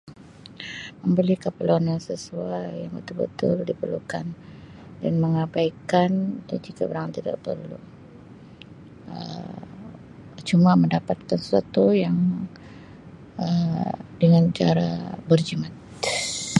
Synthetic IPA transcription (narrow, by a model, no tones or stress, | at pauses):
məmbəlihkapəlonaŋsəsuajjaŋbət̪ʊlbə̰t̪ʊldipərlukan | danməŋabajkandand͡ʒikabəɾaŋant̪ida̰ʔpə̰rlṵ | ə | t͡ʃumaməndapat̪̚kansə̥swat̪ujaŋ | ədəŋant͡ʃa̰ɾa̰bərd͡ʒimat̪